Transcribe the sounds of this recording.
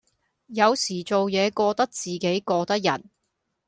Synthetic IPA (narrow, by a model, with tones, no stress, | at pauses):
jɐ˨˧wsiː˨˩t͡so˨wjɛː˨˧kɔː˧t̪ɐ˥k̚t͡siː˨ke˨˥jkɔː˧t̪ɐ˥k̚jɐ̰˨˩n